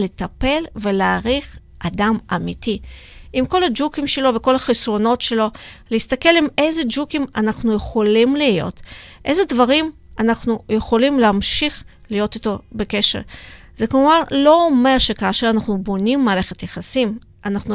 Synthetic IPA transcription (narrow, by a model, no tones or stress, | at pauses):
le̞tape̞lve̞leaʁiχ | ʔadamamiti | ʔimko̞lad͡ʒukimʃelo̞veko̞lhaχisʁo̞no̞tʃe̞lo̞leist̪ake̞lime̞jze̞d͡ʒukimanaχnuje̞χo̞limlijo̞̰tʔe̞jzedvaʁim | anaχnuje̞χo̞limleamʃiχ | lijo̞tito̞beke̞ʃeʁ | zekuvanlo̞ome̞ʁʃe̞kaːʃeʁanaχnubo̞nimːaːʁe̞χetjaχasim | ʔanaχnu